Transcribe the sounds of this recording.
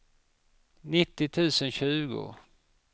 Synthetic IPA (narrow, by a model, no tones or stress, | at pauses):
nɪt̪ːɪt̪ʰʉ̟ːsənɕʉ̟ːɡʊ̰